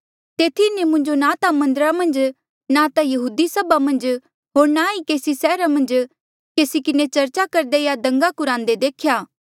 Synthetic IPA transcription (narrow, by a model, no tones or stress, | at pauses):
t̪eːt̪ʰinemʊ̃ɲd͡ʒonaːt̪amɐ̃nd̪ɾamɐ̃nd͡ʒ | nat̪ajɐɦuːd̪isɐbamɐ̃nd͡ʒ | ɦoːɾnaikeːsisɛːɾamɐ̃nd͡ʒ | keːsikɪnet͡ʃɐɾt͡ʃakɐɾd̪ejad̪ɐ̃ŋɡakʊɾãːnd̪ed̪eːkʰjaː